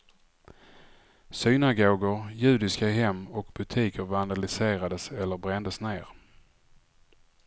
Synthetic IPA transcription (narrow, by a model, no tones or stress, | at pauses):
synaɡoːɡəɾjʉ̟ːd̪ɪskaɦɛmːɔkbɵt̪ʰiːkʰəɾvand̪alɪseːɾad̪əsɛlːəɾbɾɛnd̪əsneːɾ